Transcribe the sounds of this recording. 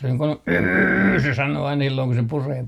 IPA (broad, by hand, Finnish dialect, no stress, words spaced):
se niːŋ kun yːyrː se sɑnoː ɑin silːoŋ ku se pureː